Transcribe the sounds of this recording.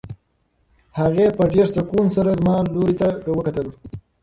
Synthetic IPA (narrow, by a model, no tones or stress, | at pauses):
haɣepəɖeɾsakunsaɾazmɑloɾit̪awəkat̪əl